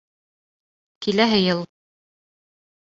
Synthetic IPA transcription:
kilæɦɘ̆jɤlˠ

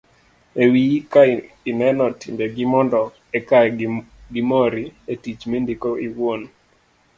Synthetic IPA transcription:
ewika | inɛnɔtʰimbeɡɪmɔndɔ | ɛkaɡimɔɾietit͡ʃmendikoiwon

